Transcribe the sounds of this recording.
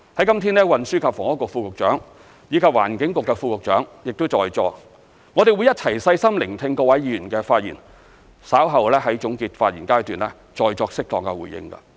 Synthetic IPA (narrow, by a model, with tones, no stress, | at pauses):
hɐ˨˥jkɐ˥mt̪ʰiː˥nlɛ˥wɐ˨nsyː˥kʰaː˨˧fɔː˨˩ŋɔː˦˥kʊ˨k̚fuː˧kʊ˨k̚t͡ʃœː˨˥ŋ | jiː˨˧kʰaː˧p̚wa̰ː˨˩nkɪ˨˥ŋkʊ˨kːɛ˧fuː˧kʊ˨k̚t͡ʃœ̰ː˨˥ŋjɪ˨k̚t̪ʊ˥t͡sɔː˨jt͡sɔː˧ | ŋɔː˨˧ɾe˨wjɐ˥t̚t͡sʰɐ˨˩jsɐ˧jsɐ˥mlɪ˨˩ŋt̪ʰɪ˧ŋkɔː˧wɐ˨˥jji˨˧jyː˨˩nkɛː˧faː˧t̚jḭː˨˩n | saː˨˥wɦɐ˨wlɛː˥hɐ˨˥jt͡sʊ˨˥ŋkiː˧t̚faː˧t̚jḭː˨˩nkaː˥jt̪yː˨˩nlɛː˥ | t͡ʃɔː˨jt͡sɔː˧k̚sɪ˥k̚t̪ɔː˨ŋkɛ˧wṵː˨˩jɪ̰˧ŋkɐ̰˧